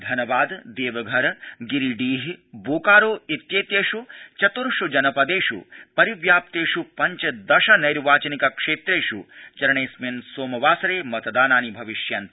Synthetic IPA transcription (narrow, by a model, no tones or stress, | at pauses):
d̪ʱɐnɐbaːd̪d̪eːʋɐɡʱɐɾɡiɾiɖiːɦiboːkaːɾoːit̪jeːt̪jeːʃut͡ʃɐt̪uɾʃud͡ʒɐnɐpɐd̪eːʂṵpɐɾiʋjaːp̚t̪eːʂupɐɲt͡ʃɐd̪ɐʃɐnɐjɾʋaːt͡ʃɐnikɐkʂeːt̪ɾeːʃṵt͡ʃɐɾɐɳeːsmensoːmɐʋaːsɐɾeːmɐt̪d̪aːnaːnibʱɐʋiʃjɐnt̪